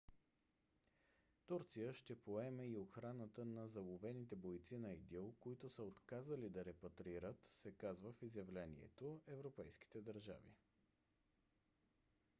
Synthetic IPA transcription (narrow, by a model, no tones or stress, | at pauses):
t̪uɾt̪sijəʃt̪ɛpoɛmɛioxɾanət̪ənɐzɐlˠovɛnit̪ɛbojt̪sinɐid̪ilˠkoit̪ʊsəot̪kazəlid̪ɐɾɛpɐt̪ɾiɾət̪sɛkazvəfizjɐvlɛnḭɛ̰t̪oɛvɾopɛjsk̟i̥t̪ɛd̪ɐɾʒa̰vḭ